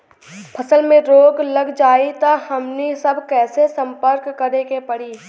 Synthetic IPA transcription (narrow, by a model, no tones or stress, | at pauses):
pʰɐsəlmẽɾoːɡləɡd͡ʒaːit̪ahɐmnisəbʱkɛːsesə̃mpəɾkːəɾekepɐɽiː